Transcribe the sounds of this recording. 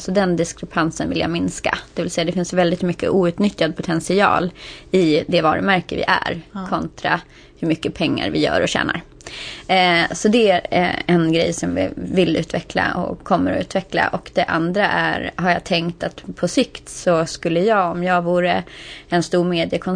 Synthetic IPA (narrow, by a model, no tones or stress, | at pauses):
sɔd̪ɛnd̪ɪskɾɛpʰansənvɪlja̰ːmɪnska̰d̪̥ɛvɪlsɛjːad̪ɛfɪnsjvɛld̪ɪt̪mʏkːə̰ʔuːʉ̟ːt̪nʏt̪ːjad̪̚pʰʊt̪ʰɛnsɪɑ̰ːlɪd̪ɛvɑːɾəmæɾkəvɪ̰ʔæ̰ɾkʰɔnt̪ɾa̰ | hɵmʏkːəpʰɛŋːa̰ɾvɪjœ̰ːɾɔɕɛ̰ːna̰ɾ | sɔd̪ɛæɛnɡɾɛjsɔmvɪ̰vɪlʉ̟ːt̪vɛkla̰ɔ̰kʰːɔmːəɾɔ̰ʉ̟ːt̪vɛkla̰ʔɔkd̪ɛʔa̰nd̪ɾaʔæɾɦaɾjɑːt̪ʰɛŋkt̪at̪pʰɔsɪkt̪sɔskɵlːəjɑːɔmjɑːɡvuːɾəɛnst̪uːɾmeːd̪ɪəkʰɔn